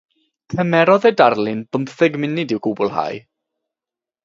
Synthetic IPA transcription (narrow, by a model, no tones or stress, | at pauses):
kʰəmɛɾɔðɛdarlˠɪnbəmθəɡmɪnɪdɪwɡʊbʊlˠɦa̰j